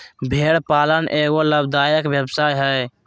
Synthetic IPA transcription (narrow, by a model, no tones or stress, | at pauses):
bʱeɽpalənʔeɡoləb̚d̪ajəkbjəbsajɦəj